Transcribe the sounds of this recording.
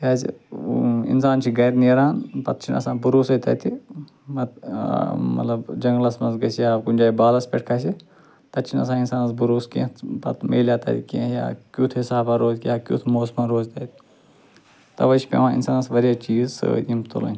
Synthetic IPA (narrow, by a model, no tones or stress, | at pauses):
jaːz | ḭnsaːnt͡ʃʰiɡɐjɾneːɾaːnpɐt̪̚t͡ʃʰinɐ̰sãːbuɾuːsɐt̪ɐ̰t̪ʰi | mɐt̪̚ | mɐ̰t̪lɐbd͡ʒɐŋɡlɐsmɐnzɡɐsjaːkunʲd͡ʒaːibaːlɐspʲeʈʰkʰɐsi | t̪ɐt̪t͡ʃʰinɐ̰s̬ãːinsaːnɐsbuɾuːskḛ̃ːpɐt̪mḛːljaːt̪ɐ̰t̪ikḛ̃ːja̰ːkʲjuːt̪ʰɦisaːbaɾoːzkjaːkʲjṵt̪ʰmoːsmãnɾoːzt̪ɐt̪i | t̪ɐʋɐt͡ʃʰi̥pʲḛ̃ʋãːḭnsaːnsʋɐɾjaːt͡ʃiːzsɨ̰imt̪o̰lɐ̰nʲ